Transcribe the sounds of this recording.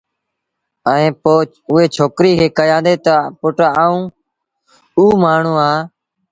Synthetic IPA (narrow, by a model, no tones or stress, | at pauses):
əẽːpoː | ʊɦeːt͡ʃʰoːkɾiːkʰeːkəjãːnd̪eːt̪əpʊʈaaːũː | uːmaːɳ̤ũːaː